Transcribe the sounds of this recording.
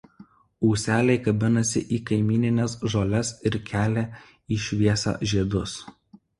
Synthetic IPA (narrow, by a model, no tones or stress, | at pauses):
uːsʲæːlʲɛɪkɐbʲɪnɐsʲɪ̰ʔiːkɐɪmʲiːnʲɪnʲɛsʒoːlʲɛsɪɾkʲæːlʲæː | iːʃʲʋʲiɛsɑ̰ʒʲiɛd̪ʊs